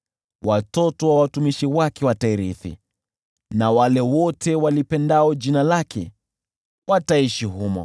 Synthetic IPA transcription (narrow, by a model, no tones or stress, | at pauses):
watɔtɔwawatumiʃiwakɛwataiɾiθḭ | nawalɛwɔtʰɛwalipɛndaɔd͡ʒinalakʰɛ̰ | wataiʃiɦumɔ̰